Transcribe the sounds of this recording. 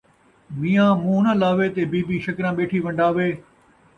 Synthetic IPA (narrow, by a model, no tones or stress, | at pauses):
miːãːmũːnəlaːʋeːt̪eːbiːbiːʃɐkɾãːɓeːʈʰiːʋɐ̃ɳɖaːʋeː